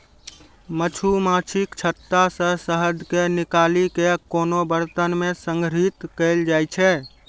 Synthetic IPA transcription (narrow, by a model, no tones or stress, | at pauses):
mət͡ʃʰumãt͡ʃʰikt͡ʃʰət̪ːasəɦsəɦəd̪ʱkenikalikekonobəɾt̪ənmesəŋɡɾit̪kəld͡ʒajt͡ʃʰɛ